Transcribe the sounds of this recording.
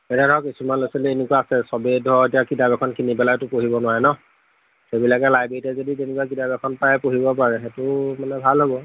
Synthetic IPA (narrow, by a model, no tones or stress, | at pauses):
ɛnɛdʱɔkisumanlosilɛenekwaːsɛsɔbedʱɔetijakidabɛkʰɔnkinipɛlajtʊpoɦibɔnʊwaɹɛnɔ | xebilakɛlajbetɛzoditenekuakidabɛkʰɔnpajɛpoɦibɔpaɹɛxetʊmanɛbʱalɦobɔ